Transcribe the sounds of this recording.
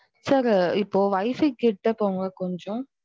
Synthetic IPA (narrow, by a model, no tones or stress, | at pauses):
sɐɾɪpːoːʋɐɪfɛkːɪʈːɐpoːŋɡɐkɔɲd͡ʒɔ̃